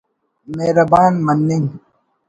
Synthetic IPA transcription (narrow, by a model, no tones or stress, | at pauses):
meːɾɐbaːnmɐnːiŋ